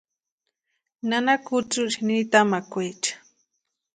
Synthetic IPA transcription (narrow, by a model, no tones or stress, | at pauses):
nanakʊt͡sʊʃnit̪amakʊjt͡ʃḁ